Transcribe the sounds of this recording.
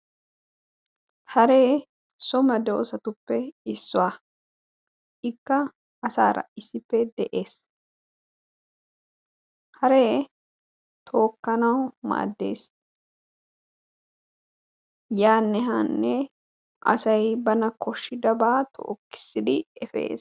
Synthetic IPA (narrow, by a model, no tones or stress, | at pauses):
hɐɾe̞ː | sɔmɐd̪ɛɔ̰sɐt̪ʊpːɛɪsːʊwaː | ʔɪkːɐː | sa̰ːɾɐ̰ɪsːɪpːɛd̪ɛʔe̞ːs | hɐɾeː | t̪ʰo̞ːkːɐnɐwma̰ːd̪ːe̞̰ːs | jaːnːɛɦaːnːɛ | ʔɐ̰sɐjbɐnɐkʰɔʃːɪd̪ɐbaːt̪ʰɔ̰ʔːkːɪ̥sːɪd̪ɪɛfḛːs